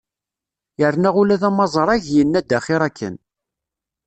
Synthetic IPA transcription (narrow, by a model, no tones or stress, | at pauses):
jəɾnæʁulæðæmɑzˤəɾˤæʝjənːæd̪ːæχiɾˤækːə̰n